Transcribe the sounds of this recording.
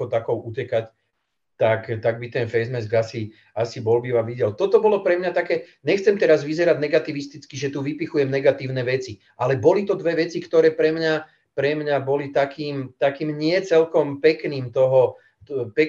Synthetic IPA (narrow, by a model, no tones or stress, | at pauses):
ɔt̪akɔʊucɛkac | t̪akt̪aɡ̚bit̪ɛnfɛzmɛzɡasi | asibɔlbiʋaʋiɟɛlt̪ɔt̪ɔbɔlɔpɾɛmɲat̪akɛːɲɛxt͡sɛmt̪ɛɾazʋizɛɾaɟnɛɡat̪iʋist̪it͡skiʒɛt̪uːʋipixujɛmnɛɡat̪iːʊnɛʋɛt͡si | ʔalɛbɔlit̪ɔd̪ʋɛʋɛt͡sikt̪ɔɾɛːpɾɛmɲa | pɾɛmɲabɔlit̪akiːmt̪akiːmɲɪɛt͡sɛlkɔmpɛkniːmt̪ɔɦɔ | pɛk